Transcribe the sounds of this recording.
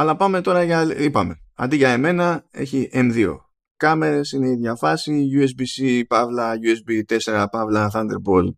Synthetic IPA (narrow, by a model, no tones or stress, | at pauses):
ɐlɐpɐme̞t̪o̞ɾɐʝɐipɐme̞ɐ̰nd̪iʝɐeme̞nɐe̞̰çiʔemðio̞̰ | kɐme̞ɾesine̞iðʝɐfɐsiʝues̬bisipɐvlɐʝuesbit̪e̞se̞ɾɐpɐvlɐθɐnd̪e̞̰ɾbol